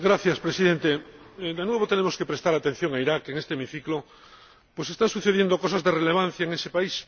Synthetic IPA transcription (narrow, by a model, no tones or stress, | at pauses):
ɡɾaθjaspɾesiðent̪ed̪enwe̞β̞ot̪enemo̞skepɾest̪aɾat̪e̞n̟θjoŋaiɾakeŋest̪eemiθiklo | pwesest̪ãnsuθeðje̞nd̪okosazðereleβan̟θjaeŋesepais